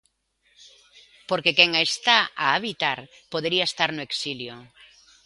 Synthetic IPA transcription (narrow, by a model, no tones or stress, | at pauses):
poɾkekeŋest̪aaːβit̪aɾ | poð̞eɾiaest̪aɾnoeksiljo